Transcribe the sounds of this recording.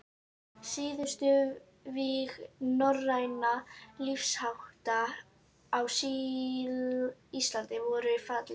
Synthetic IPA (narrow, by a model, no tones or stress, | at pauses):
siːðʏst̪ʏ | viɣnɔrːajnalifshawht̪aː | wsi | ist̪lant̪ɪvɔɾʏfat̪lɪ